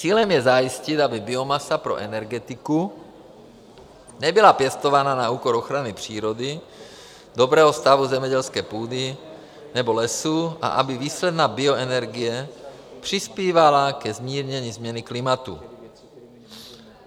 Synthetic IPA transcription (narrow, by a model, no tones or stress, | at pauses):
t͡siːlɛmjɛzajiscit̪abibiomasapɾo̰ʔɛnɛɾɡɛt̪iku | nɛbilapjɛst̪ovaːnanauːkɔɾoxɾanipr̝̥iːɾod̪i | d̪obɾɛːɦɔst̪avuzɛmɛɟɛlskɛːpuːd̪i | nɛbolɛsua̰ʔabiviːslɛd̪naːbioɛnɛɾɡijɛpr̥ispiːvalakɛzmiːɾɲɛɲizmɲɛniklimat̪ṵ